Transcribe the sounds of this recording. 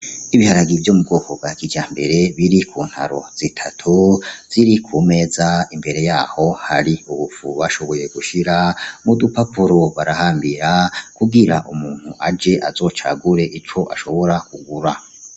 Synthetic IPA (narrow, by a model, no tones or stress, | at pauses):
iβihaɾaɡivjoːmub̚ɡo̞ːko̞bɡakid͡ʒaːmbe̞ɾe̞βiɾikʰuːn̥ha̰ɾo̞̰z̥itʰatʰuz̥iɾikʰuːme̞ːzaimbe̞ɾe̞jaːho̞haɾiuβufuβaʃo̞βo̞je̞ɡuʃiɾamudupapuɾoβaɾahaːmbiɾakuɡiɾaʔumuːn̥huʔad͡ʒe̞ʔazo̞ːt͡ʃa̰ɡuɾe̞ʔit͡ʃo̞ʔaʃo̞βo̞ɾakuɡuɾa